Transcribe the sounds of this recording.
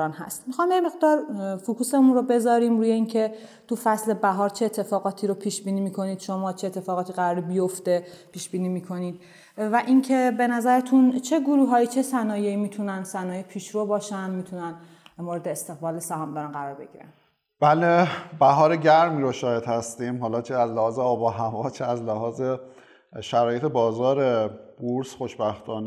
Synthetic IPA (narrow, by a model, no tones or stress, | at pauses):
nhæ̰st̪mixɒmjeme̞ɣd̪ɒːɾfukʰusemunɾobe̞zɒːɾiːmɾuːje̞incʰe̞ | t̪ʰufæsle̞bæɦɒːɾt͡ʃʰe̞ːt̪ʰːe̞fɒːɣɒːt̪ʰiːɾopʰiːʃbiːniːmiːkʰo̞niːd̪̥ʃomɒːt͡ʃʰeet̪ʰːe̞fɒːɣɒːt̪ʰiːɣæɾɒːɾibijo̞ft̪e̞pʰiːʃbiːniːmiːkʰo̞niːd̪̥ | væʔiŋcʰe̞be̞næzæɾet̪ʰunt͡ʃʰe̞ɡuɾuːɦɒːiːt͡ʃʰe̞sænɒːje̞iːmiːt̪ʰunænsænɒːjepʰiːʃɾobɒːʃænd̪miːt̪ʰunæn | moɾed̪eːst̪e̞ɣbɒːlesæhɒːmd̪ɒɾænɢæɾɒːɾbe̞̰ɟḭːɾæ̰n | b̥ælebæɦɒːɾeɟæɾmiːɾoʃɒːhed̪̥hæst̪iːmɦɒːlɒːt͡ʃʰeæzlehɒːzeɒːbɒːɦævɒːt͡ʃʰeæzlæhɒːze | ʃæɾɒːjet̪ʰebɒːzɒːɾebuɾsxoʃbæxt̪ʰɒːne